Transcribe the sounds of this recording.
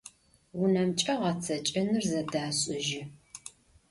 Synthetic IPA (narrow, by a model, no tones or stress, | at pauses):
wʊnɐmt͡ʃʼɐʁɐt͡sʰɐt͡ʃʼɐnɨrzɐdaːɕʼɪʒɪ